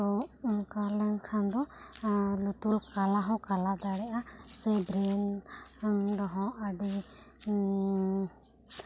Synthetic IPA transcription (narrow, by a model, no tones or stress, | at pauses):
ɔkaɾlɛnkʰãnd̪ɔ | lut̪ulkalaɦɔ̃kalad̪aɽɛʔasɛbɾɛn | ɾɔɦɔ̃ʔaɖi